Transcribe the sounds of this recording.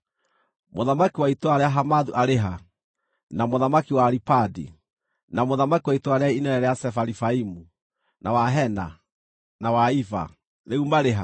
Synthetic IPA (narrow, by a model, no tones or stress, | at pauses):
moðamakiwaitoaɾeaɦamaðuʔaɾeɦa | namoðamakiwaɾipadḭ | namoðamakiwaitoaɾeainɛnɛɾɛjasɛfaɾifaimu | nʔawaɦɛna̰ | nawaifa̰ | ðeumaɾeɦa̰